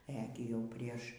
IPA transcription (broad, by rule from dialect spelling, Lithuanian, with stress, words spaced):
ˈɛ ɡʲɪ ˈjɛʊ ˈpʲrʲiɛʃ